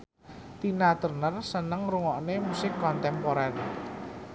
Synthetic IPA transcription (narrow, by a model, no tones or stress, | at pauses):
t̪inat̪ərnərsənəŋɾuŋɔʔnemusɪkːɔnt̪ɛmpoɾɛr